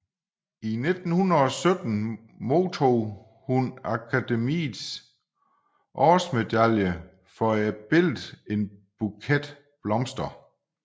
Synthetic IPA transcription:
ine̝d̥n̩hunɐɒ̽sød̥n̩ | mo̝ːt͡sʰoː | hunækʰæd̥emḭːðs | ʔɒːsme̝d̥æljə | fɒæb̥e̝l̰d̥e̝nb̥ukʰed̥ | b̥lɒ̽msd̥ɐ

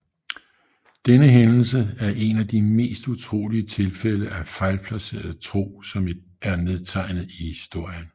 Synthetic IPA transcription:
d̥enəɦenl̩səæɐʔe̝næd̥ime̝̰ːsd̥ut͡sʰʁo̝̰ːliət͡sʰe̝lfeləʔæfɑ̈ɪlpʰlæse̝̰ːɐð̩ˠt͡sʰʁo̝̰ːsɒ̽m | æɐneð̞ˠt͡sʰɑ̈ɪnð̩ˠihisd̥o̝ɐ̰jən

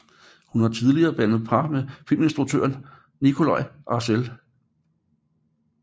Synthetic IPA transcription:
hunhɑ̈t͡sʰið̞ˠliɐːb̥æn̰ð̞̩ˠpʰɑ̈mefil̰me̝nsd̥ʁuɡ̚t͡sʰø̰ɐn | nikʰo̝lɑ̈ɪʔɑ̈sel

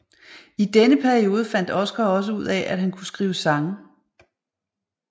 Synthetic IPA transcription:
id̥enəpʰæɐio̝ːð̞ˠəfæn̰d̥ɒ̽sɡ̥ɐɒ̽s̬əuð̞̰ˠɛʔæd̥ɦænkʰusɡ̥ʁiːʊsɑ̈ŋ

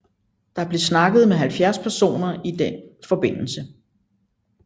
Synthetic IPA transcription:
d̥ɑ̈æɐb̥le̝snɑ̈ɡ̥əð̞̩ˠmeɦælfjæɐspʰæɐso̝̰ːnɐʔid̥enfɒ̽b̥e̝n̰l̩sə

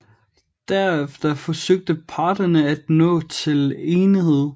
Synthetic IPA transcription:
d̥æɐ̰efd̥ɐfɒ̽søɡ̥̚d̥əpʰɑ̈ːd̥ɐnəæd̥nɔ̰̽ːt͡sʰe̝leːnihe̝ð̞̰ˠ

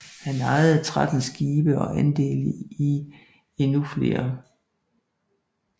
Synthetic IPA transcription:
hænɑ̈ɪð̩ˠt͡sʰʁad̥n̩sɡ̥iːb̥əɒ̽ʔænd̥e̝̰ːli | e̝nufle̝̰ːɐ

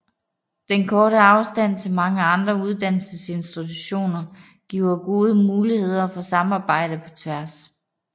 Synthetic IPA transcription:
d̥enkʰɒːɾəɑ̈ʊsd̥æn̰t͡sʰe̝lmɑ̈ŋəɑ̈nd̥ʁɐuð̞ˠd̥æn̰l̩səse̝nsd̥it͡sʰuɕo̝̰ːnɐ | ɡ̥ḭʊ̰ɐɡ̥o̝ːð̞ˠəmuːlihe̝ð̞̰ˠɐfɒ̽sɑ̈mɑ̈ːb̥ɑ̈ɪ̰ɾ̥əpʰɒ̽t͡sʰʋæɐs

